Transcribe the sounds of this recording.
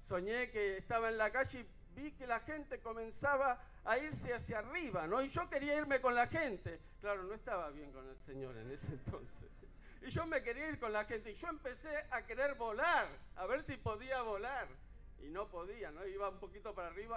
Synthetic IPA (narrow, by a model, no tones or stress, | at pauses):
so̞ɲe̞keːst̪aβaenlakaʒei | bikelaxe̞nt̪eko̞mẽ̞nsaβaː | iɾseasjariβano̞iʒo̞ke̞ɾiaiɾme̞ko̞nlaxent̪e | klaɾono̞est̪aβaβje̞ŋko̞nelseɲo̞̰ɾḛnesent̪o̞̰nsḛs | iʒo̞meke̞ɾiaiɾko̞nlaxent̪eiʒo̞empeseakeɾeɾβo̞laɾaβeɾsipo̞ðiaβo̞laɾ | ḭno̞po̞ðianoiβaumpo̞kit̪o̞paɾariβa